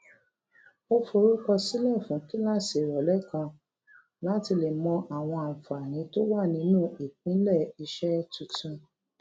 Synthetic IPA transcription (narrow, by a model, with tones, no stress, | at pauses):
o˧fo˧ɾu˦kɔ˧si˦lɛ˦˨fũ˨˦ki˦la˦si˨ɾɔ˨lɛ˦kã˧ | la˦ti˧le˨mɔ̃˧ʔa˨w̃ɔ̃˧a˨fa˨ñĩ˨˦to˦wa˦˨nĩ˧˦nũ˦˨i˨k͡pĩ˨˦lɛ˦˨i˧ʃɛ˦tũ˧tũ˧